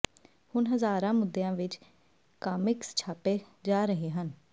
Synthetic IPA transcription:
hʊnɦəzaːɾãːmʊd̪ːejãːʋɪt͡ʃ | kaːmɪkst͡ʃʰaːpeːd͡ʒaːɾəɦeːɦən

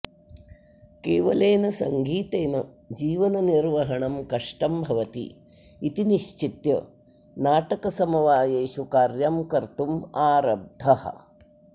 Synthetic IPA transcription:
keːʋɐleːnɐsɐ̰ŋɡʱiːt̪eːnɐ | d͡ʒiːʋɐnɐniɾʋɐɦɐɳɐmkɐʂʈɐmbʱɐʋɐt̪ḭː | t̪iniʃt͡ʃit̪jɐ̰ | naːʈɐkɐsɐmɐʋaːjeːʃukaːɾjamkɐɾt̪umaːɾɐb̚d̪ʱɐhɐ̰̆

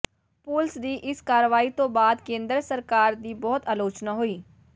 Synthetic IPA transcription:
puːlsd̪iʔɪskaːɾʋaːit̪õbaːd̪kẽːnd̪ɾəsəɾkaːɾd̪iːbɔːt̪aːloːt͡ʃnaɦoiː

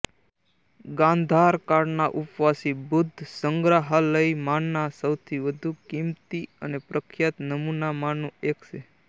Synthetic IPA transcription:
ɡãnd̪ʱaɾkaɾnaʔʊpʋasibʊd̪ʱːsəŋɡɾaɦaləimanːasəwt̪ʰiʋəd̪ʱukimt̪iənepɾəkʰjat̪nəmunamanũekt͡ʃʰe

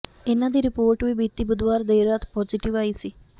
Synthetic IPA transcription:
enãd̪iɾɪpoːɾʈʋibiːt̪ːibʊd̪ʋaːɾd̪eːɾat̪pɔːd͡ʒɪʈiʋaːisi

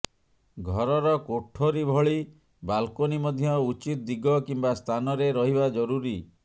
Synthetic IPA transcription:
ɡʱɔɾɔɾɔkoʈʰoɾibʱɔɭi | balkonimɔd̪ʱjɔut͡ʃit̪̚d̪iɡɔkimbast̪ʰanɔɾeɾɔɦibad͡ʒɔɾuɾi

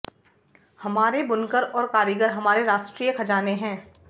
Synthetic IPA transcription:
hɐmaːɾebʊnkəɾɔːɾkaːɾiɡəɾɦɐmaːɾeɾaːʃʈɾiːjəkʰɐd͡ʒaːneɦɛ̃ː

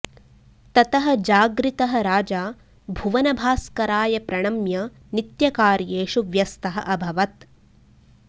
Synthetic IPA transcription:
t̪ɐt̪ɐɦɐ̆d͡ʒaːɡɾit̪ɐɦɐ̆ɾaːd͡ʒaː | bʱuʋɐnɐbʱaːskɐɾaːjɐpɾɐɳɐmjɐ | nit̪jɐkaːɾjeːʃuʋjɐst̪ɐɦɐ̰̆ʔɐbʱɐʋɐt̪

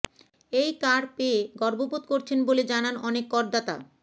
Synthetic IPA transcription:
ejkaɾpeɡɔɾbobut̪koɾt͡ɕʰenboled͡ʑananɔnekːɔɾd̪at̪a̰

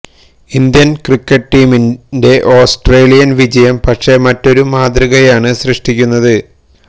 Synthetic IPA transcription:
ind̪jɐnkrikːɐʈʈiːminde̞ʔo̞ːsʈreːlijɐnʋid͡ʑɐjɐmpɐʈʂe̞mɐtːo̞ɾumaːd̪riɣɐjaːɳɨɕrɨʂʈikʲːunːɐðɨ

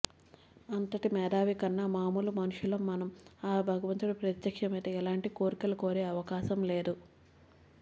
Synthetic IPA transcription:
ɐnt̪ɐʈimɛːd̪aːʋikɐnːɐmaːmuːlumɐnuʂulɐmːɐnɐmaːbʱɐɡɐʋɐnt̪uɽɐpɾɐt̪jɐkʂɐmɐjt̪eːɛlaːɳʈikoːɾikɐlɐko̞ːɾeːɐʋɐkaːʃɐmle̞ːd̪u

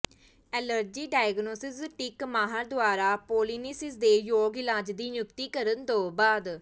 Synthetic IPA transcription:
ɛːləɾd͡ʒiːɖaːjɡnoːsɪsʈɪkmaːɦaɾd̪ʊaːɾaːpoːliːnɪsɪsd̪eːjoːɡɪlaːd͡ʒd̪iːjʊkt̪iːkəɾənt̪oːbaːd̪

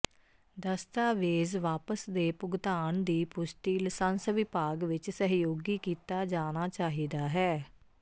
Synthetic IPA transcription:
d̪əst̪aːʋeːzʋaːpəsd̪eːpʊɡt̪aːnd̪iːpʊsʈiːlsənsʋɪpaːɡʋɪt͡ʃsəɦjoːɡiːkiːt̪aːd͡ʒaːnaːt͡ʃaːɦiːd̪aːɦɛː

